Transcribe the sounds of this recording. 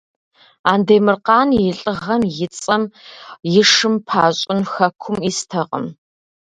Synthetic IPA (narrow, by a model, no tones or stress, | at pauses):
aːndeːmɨrqɑːnjɪɬʼɨʁɐmjɪt͡sʼɐmjɪʂɨmpʰaːɕʼɪnxɐkʷʰʊmiːstʰɐqʼə̰m